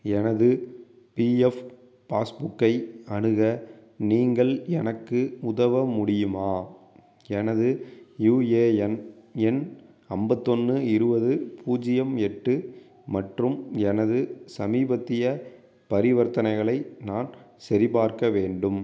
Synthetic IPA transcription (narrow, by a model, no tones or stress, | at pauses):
ɛnɐðɯ | piːɛf | paːsbʊkːɐɪɐɳɯɣɐniːŋɡɐɭɛnɐkːɯʊðɐʋɐmʊɽɪjɯmaː | ɛnɐðɯjuːeːɛnɛn | ɐmbɐt̪ːɔnːɯɪɾɯbɐðɯpʰuːd͡ʒɪjɐmɛʈːɯ | mɐʈrɯmɛnɐðɯsɐmiːbɐt̪ːɪjɐ | pɐɾɪʋɐɾt̪ɐnɐɪɣɐɭɐɪnaːn | sɐɾɪbaːɾkɐʋeːɳɖɯm